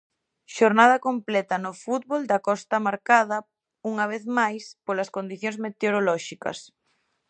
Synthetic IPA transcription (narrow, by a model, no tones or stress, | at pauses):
ʃoɾnað̞ɐkomplɛt̪ɐnʊfut̪̚βold̪ɐkɔst̪ɐmaɾkað̞ɐ | uŋɐβ̞eθmajspolɐskond̪iθjoŋzmet̪eoɾolɔʃikɐ̰s